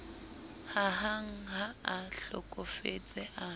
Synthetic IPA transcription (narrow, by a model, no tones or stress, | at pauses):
haɦaŋ̩haaɬɔ̰kʼɔfḛt͡sʼɛʔa